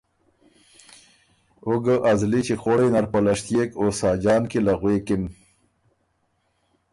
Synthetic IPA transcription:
ʊɡəʔazlit͡ʃexoɽenaɾpəlaʂt̪jekosɑːd͡ʒɑːnkelaɣwekɪn

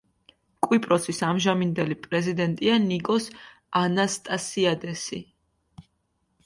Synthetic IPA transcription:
kʼwipʼɾɔsisamʒamind̪ɛlipʼɾɛzid̪ɛnt̪ʼianikʼɔs | anast̪ʼasiad̪ɛsḭ

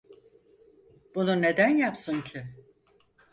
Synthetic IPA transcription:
b̥unune̞d̪ænjapsɯncʰɪ

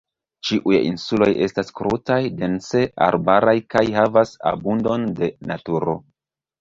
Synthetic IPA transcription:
t͡ʃiʔujḭnsulo̞je̞staskɾutajde̞nse̞a̰ɾbaɾajkajɦavasa̰bundo̞nde̞natuɾo̞

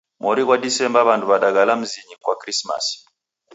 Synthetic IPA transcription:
mɔɾikwadisɛmbaβanduβaɗaɡalam̩ziɲikwakɾisma̰s

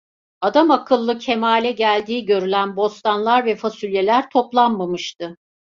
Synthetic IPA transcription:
ad̪amakʰɯlˠːɯcʰemaːlʲɛɟælʲd̪iːɟø̞ɾylʲænbo̞st̪ʰanlˠaɾvɛfasylʲjelʲæɾt̪ʰo̞plˠanmamɯʃt̪ɯ

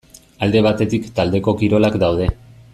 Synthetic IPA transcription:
ald̪e̞β̞at̪e̞t̪ikt̪ald̪e̞ko̞kiɾo̞lakd̪awð̞e̞

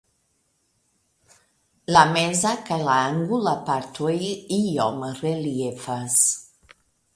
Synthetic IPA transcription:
lamɛzakalaaŋɡulapaɾt̪wejijɔmərelijefas

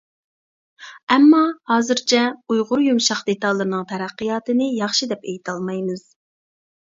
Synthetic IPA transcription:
ɛmːɑhɑːzɨɾt͡ʃʰɛujʁʊɾjumʃɑχd̪et̪ɑlˠːɨɾnɨŋt̪ʰɛɾæqːɨjɑːt̪ɨnɨjɑχʃid̪ɛpejit̪ʰɑlˠmɑjmɨz̥

